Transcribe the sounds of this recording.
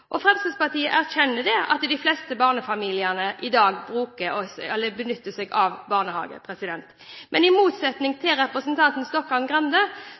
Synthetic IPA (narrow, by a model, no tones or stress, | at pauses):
ʔɔfʁɛmsəspɑʁt̪iːəʔæʁçɛnːəd̪ɛɑ̰t̪d̪ɪflɛst̪əbɑːʁnəfɑmiːlɪənəʔɪd̪ɑːɡbɾʉːkəsɛlːəbənʏt̪ːəsɛɡɑʋbɑːʁnəhɑ̰ːɡə̰pʰɾɛsɪd̪ɛnt̪ | mʔɛnɪmuːt̪sɛt̪nɪŋt̪ʰɪlɾɛpʁəsənt̪ʰɑnt̪n̩st̪ɔkhɑlnɡɾɑnd̪ə